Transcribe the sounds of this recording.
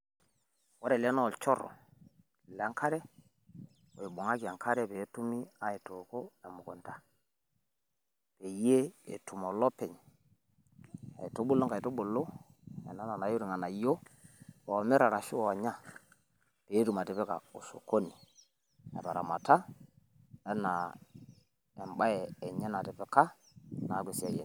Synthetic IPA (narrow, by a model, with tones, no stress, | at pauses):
wa˦ɾe˨lɛ˦no˦˨lt͡ʃɔ˦ɾɔ̰˨ | lɛ˨a˦ŋkʰa˦ɾɛ˦ | wo˨i˨ɓu˨ŋa˦ki˨a˨ŋkʰa˦ɾɛ˦pe˨˦tu˦mi˦a˦e˨to˨ko˦a˨mu˨ko˨nta˨ | pe˨je˦ḛ˨tu˨mo˨lɔ˦pɛ˨ɲ | a̰˨i˨to˦ɓu˦lo˦ŋka˨i˨to˦ɓo˨lo˦ | ḛ˨na˦na˨na˨jo˦ɾi˨ŋa˨na˨jo˦o˨me˦ɾa˨ɾa˨ʃi˦wo˨a˨ɲa˦˨ | pe˨˦tu˨ma˨te˨pe˦ka̰˨o˨so̰˨ko˦ni˨ | a̰˨ba˨ɾa̰˨ma˨ta˦ | e˦na˨ | e˨mɓa˦jeː˨ɲe˦na˨te˨pe˦ka˦ | na˨˦ɡʷe˨si˦a˦jḛ˨